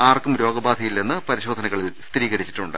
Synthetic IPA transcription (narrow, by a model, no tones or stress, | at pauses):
aːrkumɾo̞ːɡɐbaːd̪ʱɐjilnenːɨpɐɾiɕoːd̪ʱɐnɐɣɐɭilst̪ɾiːɣɐɾit͡ɕːi̥ʈːuɳɖɨ̰